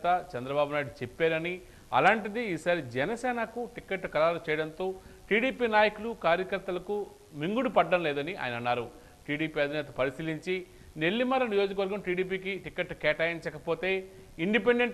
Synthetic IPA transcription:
t̪ɐt͡ʃɛnd̪ɾɐbaːbunaːjɽut͡ʃepːeːɾɐni | ɐ̰laːɳʈid̪iiːsaːɾid͡ʒɛnɐsɛːnɐkuʈikeʈːkɐɾaːlɐt͡ʃɛːjɐɽɐnt̪o̞ːʈiːɽiːpiːnaːjɐkulukaːɾjɐkɐɾt̪ːɐlɐku | miŋɡuɽupɐɖːɐmlɛːd̪ɐniʔa̰ːjɐnɐnːaːɾu | ʈiːɽiːpiːɐd̪ʱinɛːt̪ɐpɐɾisiliɲt͡ʃi | ne̞ɭːimɐɾɐnijo̞ːd͡ʒɐk̬ɐʋɐɾɡɐmʈiːɽiːp̬iːkiʈikeʈːkɛːʈaːjiɲt͡ʃɐkɐpoːt̪e̞ː | iɳɖipeɳɖe̞ɳʈ

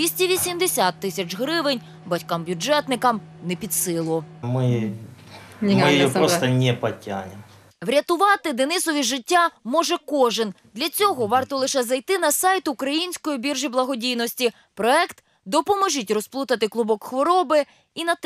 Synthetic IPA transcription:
ʋʲisʲtʲiʋʲisʲimd̪esʲat̪ːɪsʲɐt͡ʃɦɾɪʋɪnʲ | bɐtʲkambʲjud͡ʒɛt̪nɪkɐmnepʲid̪sɪlˠʊmɪ | ɪjɪjɔpɾɔst̪ɐnʲɛpɐtʲa̰nʲɪm | ʋɾʲɐt̪ʊʋɑt̪ɪd̪enɪsɔʋʲiʒɪtʲːamɔʒɛkɔʒɪnd̪lʲɐt͡sʲɔɦɔʋɑrt̪ɔlˠɪʃɛzɐjt̪ɪnɐsɑjt̪ʊʊkɾɐjinʲsʲkɔjibʲirʒiblˠɐɦɔdʲijnɔsʲtʲi | pɾɔɛkt̪ | d̪ɔpɔmɔʒitʲrɔsplˠut̪ɐt̪ɪklˠʊbɔkxʋɔɾɔbɪ | inɐt̪

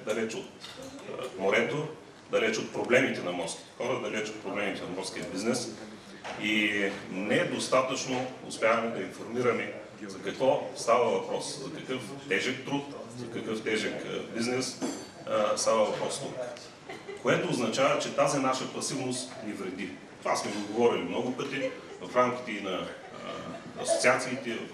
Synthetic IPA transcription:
d̪ɐlɛt͡ʃot̪ | moɾɛt̪o | d̪ɐlɛt͡ʃot̪̚pɾoblɛmit̪ɛnɐmɔɾski̥xɔɾəd̪ɐlɛt͡ʃot̪̚pɾoblɛmit̪ɛnɐmɔɾskʲiəbiznɛs | inɛɛd̪ost̪at̪ət͡ʃnoʊ̰spʲjavɐmɛd̪ɐinfoɾmiɾɐmɛ | zɐkɐkvɔst̪avɐvɐpɾɔszɐkɐkɤft̪ɛʒɛk̚t̪ɾut̪zɐkɐkɤft̪ɛʒɛkbiznɛs | st̪avɐvɐpɾɔsk̪o | koɛt̪oːznɐt͡ʃavɐt͡ʃɛt̪azinaʃəpɐsivnost̪nivɾɛd̪i | t̪asmɛɡod̪ɡovɔɾilimnɔɡʊpɤt̪ivɐfɾamkʲi̥t̪ɛinɐ | ɐ̰so̥t̪siat̪siːt̪ɛ

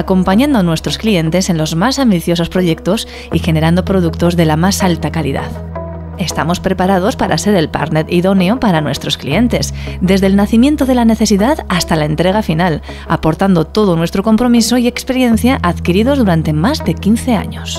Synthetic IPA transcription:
ako̞mpaɲãnd̪onwe̞st̪ɾo̞sklie̞nt̪e̞se̞nlo̞zmasambiθjo̞so̞spɾo̞ʝe̞k̚t̪o̞s | ixe̞ne̞ɾand̪o̞pɾo̞ð̞ukt̪o̞zðe̞lamasalt̪akalḭða̰ð | e̞st̪amo̞spɾe̞paɾað̞o̞spaɾʔa̰se̞ɾe̞lpa̰ɾnet̪iðo̞neopaɾanwe̞st̪ɾo̞sklḭe̞nt̪e̞zd̪e̞zðe̞lnaθimje̞nt̪oðe̞lane̞θe̞siðaðast̪alaent̪ɾe̞ɣ̞afinal | a̰po̞ɾt̪and̪o̞t̪o̞ðonwe̞st̪ɾo̞ko̞mpɾo̞miso̞ie̞kspe̞ɾje̞n̟θjaʔaðkiɾiðo̞zðuɾant̪e̞mazðe̞kinθe̞a̰ɲo̞s

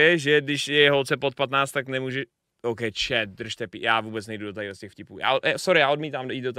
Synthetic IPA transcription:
ɛʒɛdɪʃjɛɦolt͡sɛpot̪̚pat̪naːt͡st̪aknɛmuːʒɛ | ʔowkɛjt͡ʃɛt̪̚d̪r̩ʃt̪ɛpḭjaːvuːbɛt͡snɛjdudot̪aidoscɛxfcɪpuːja̰ːjasoɾɪjaːʔodmiːt̪aːmjiːt̪̚dot̪

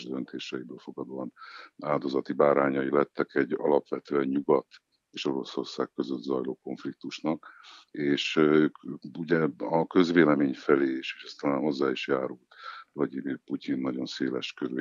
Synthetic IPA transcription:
ʒd̪ønt̪ʰeːʃɛibøːlfo̞ɡɒd̪oːɒnaːld̪o̞zɒt̪ibaːɾaːɲɒjilɛt̪ːɛkɛɟːɒ̰lɒpʋɛt̪øːɛɲɲuɡɒt̪ | eːʃo̞ɾo̞so̞rsa̰ːkkːø̞zøt̪zɒjloːko̞ɱflik̚t̪uʃnɒkeːʃøːkuɟɛɒkø̞zʋeːlɛmeːɲfɛleːeʃeːʃɛst̪ɒlaːnho̞zːaːiʃjaːɾult̪vlɒdimiːrpucinːɒɟo̞nseːlɛ̰ʃkøɾe

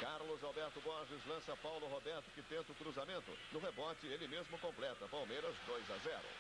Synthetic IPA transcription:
kaɾlʊzawbɛɾt̪ʊbɔʒɪzlɐ̃sɐpawlʊɦobɛɾt̪ʊ̥kɪt̪ẽnt̪ʊkɾuzamẽnt̪ʊ̰nʊɦebɔt͡ʃɪelɪmezmʊkõmplɛt̪ɐpawmejɾɐzd̪ojzazɛɾʊ̰

